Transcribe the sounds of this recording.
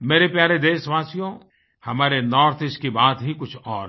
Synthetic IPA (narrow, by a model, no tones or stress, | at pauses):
meːɾepjaːɾed̪eːʃʋaːsijõ | hɐmaːɾenɔːɾt̪ʰɪskibaːt̪ɦikʊt͡ʃʰɔːɾ